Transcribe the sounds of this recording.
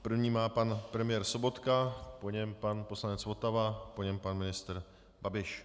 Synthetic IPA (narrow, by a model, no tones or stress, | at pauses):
pr̩vɲiːmaːpanpɾɛmɪjɛːɾso̞bo̞t̪kapo̞ɲɛmpanposlanɛt͡svo̞t̪avapo̞ɲɛmpanmɪnɪst̪ɾ | babɪʃ